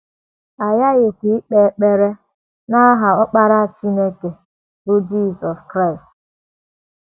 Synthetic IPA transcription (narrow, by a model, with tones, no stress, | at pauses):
a˨ja˦ɣɪ˨kʷi˨˦i˦k͡pe˨˦k͡pe˦ɾe˦ | na˦ɦa˨ɔ˦k͡pa˦ɾa˦˨t͡ʃi˦ne˦ke˨ | bʊ˦d͡ʒi˦˨sɔ˨skɾa˦˨ɪ˨st